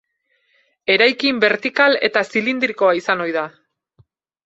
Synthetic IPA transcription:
e̞ɾajkimbe̞ɾt̪ikale̞t̪asilind̪ɾiko̞aisano̞jða

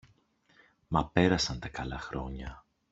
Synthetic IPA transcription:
mɐpe̞ɾɐsɐnt̪ɐkɐlɐxɾo̞̰ɲɐ

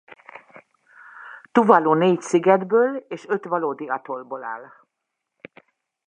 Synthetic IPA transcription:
t̪uvɒluːneːcsiɡɛd̪bøːleːʃø̞t̪ʋɒloːd̪iɒt̪olboːla̰ːl

